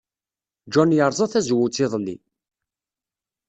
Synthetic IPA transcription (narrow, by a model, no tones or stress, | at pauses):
d͡ʒɔnjəɾˤzˤɑθæzwut͡sːɪðˤlːḭ